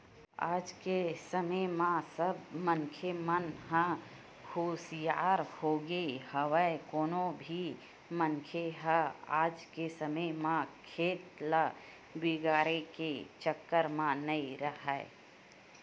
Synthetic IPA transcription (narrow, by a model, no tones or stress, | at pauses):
a̰ːd͡ʒkesəməjmãsəbmənkʰemənɦə̃ | kʰoːsjaːɾhoːɡəihəwəekoːnõbʱi | məŋkʰeɦəaːd͡ʒkesəməjmãkʰeːt̪lə | bɪɡaːɾeket͡ʃəkːəɾmãnəiɾəɦɛ̰